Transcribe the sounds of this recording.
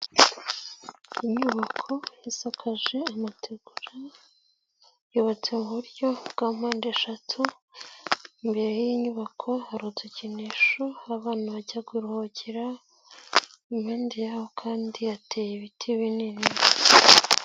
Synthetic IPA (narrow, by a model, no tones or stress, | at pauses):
iɲuβakʰo̞isakʰaʒe̞amatʰeɡ̥uɾa | joβat͡se̞muβuɾjo̞bɡ̥aːm̥aːndeʃatʰu | imbe̞ɾejiɲuβakʰo̞haɾut͡seciniʃoaβaːnaβaɟaɡwiɾuhociɾa | imheːndijahokʰaːndiatʰe̞ːjeβitʰiβinini